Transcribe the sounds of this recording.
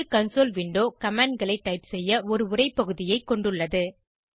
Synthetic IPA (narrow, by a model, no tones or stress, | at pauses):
kɐnsoːlʋɪɳɖoːkɐmaːɳɖɡɐɭɐɪʈːɐɪpsɛjːɐɔɾɯʊrɐɪpːɐɣɯðɪjɐɪkːɔɳɖɯɭːɐðɯ